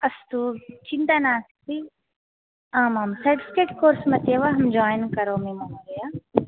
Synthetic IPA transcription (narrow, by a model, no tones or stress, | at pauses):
ɐst̪uːt͡ʃint̪aːnaːsk̚t̪i | ãːmaːmsɐʈiskeʈkoːɾsmɐt̪eːʋaɦɐmd͡ʒɔːjnkɐɾoːmĩmamõɾeja